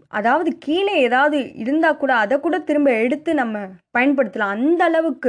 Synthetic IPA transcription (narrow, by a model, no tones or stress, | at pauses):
ʔɐðaːʋɐðɯkiːneeːðaːʋɐðɯɪ̰ɾɯnd̪aːkːuːɽaːðɐkːuːɽɐt̪ɪɾɯmbɐɛɽɯt̪ːɯnɐmːɐpɐjɐnpɐɽɯt̪ːɯlãːɐnd̪ɐːɭɐʋɯkːɯ